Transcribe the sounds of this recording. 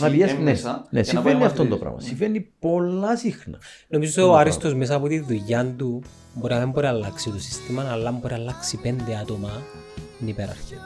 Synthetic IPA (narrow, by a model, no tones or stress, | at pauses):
nɐpiesnenesivenːiɐft̪ond̪opɾɐ̰mɐ̰siɱvenːipolːɐsixnɐ | nomizosoɐɾist̪o̞zmes̬ɐːpot̪iðuʝɐnd̪u | boɾinɐðemboɾialːɐksit̪osi̥st̪imɐnɐlːɐmboɾiɐlːɐksipend̪eɐt̪omɐ | nipeɾɐ̰ɾçin